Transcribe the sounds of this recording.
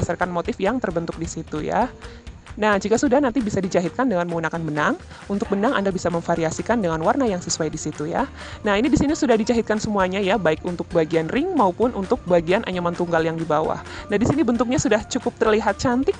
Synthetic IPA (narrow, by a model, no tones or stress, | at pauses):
asarkanmot̪ɪfjaŋt̪ərbənt̪ʊk̚disit̪uja̰ | nahd͡ʒikasudahnant̪ibisadit͡ʃaɦɪt̪̚kandəŋanməŋunakanmənaŋ | unt̪ʊk̚bənaŋa̰ndabisaməŋfaɾiasikandəŋanwarnajaŋsəsuajdisit̪uja̰ | nahinidisinisudahdit͡ʃaɦɪt̪̚kansəmuaɲajabaɪkunt̪ʊk̚baɡianrɪŋmaupʊnʔunt̪ʊk̚baɡianʔa̰ɲamant̪uŋɡaljaŋdibawa̰hnahdisinibənt̪ʊk̚ɲasudaht͡ʃukʊp̚t̪ərliɦat̪̚t͡ʃant̪ɪk̚